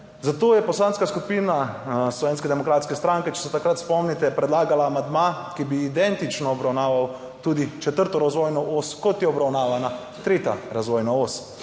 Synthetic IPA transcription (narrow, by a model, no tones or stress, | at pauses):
zat̪oːjɛpɔslanskaskupiːnaslɔʋeːnskɛd̪ɛmɔkɾaːt̪skɛst̪ɾaŋkɛt͡ʃɛ̥sɛt̪akɾat̪spɔmnit̪ɛpɾɛd̪laːɡalaːmand̪ma | kibiːd̪ɛnt̪it͡ʃnɔːbɾawnaːʋaw | t̪uːd̪it͡ʃɛt̪əɾt̪ɔɾazʋɔjnɔʔoskɔt̪jɛɔbɾawnaːʋana | t̪ɾeːt̪a̰ɾazʋɔːjnaos